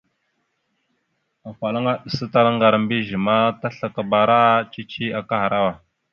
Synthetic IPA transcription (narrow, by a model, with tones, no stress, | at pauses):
a˨fa˨la˦ŋa˦ɗə˨sə˦ta˦la˦ŋɡa˨ɾmbi˦ʒə˨ma˦ta˦ɬa˨ka˨ba˨ɾa˦t͡ʃi˦t͡ʃi˦a˨ka˦ɦa˨ɾa˦wa˨